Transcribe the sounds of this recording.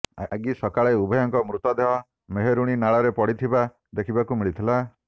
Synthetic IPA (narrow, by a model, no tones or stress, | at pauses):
aɡisɔkaɭeubʱɔjɔŋkɔmɾut̪ɔd̪eɦɔ | meɦeɾuɽ̃inaɭɔɾepɔɽit̪ʰiba | d̪ekʰibakumiɭit̪ʰila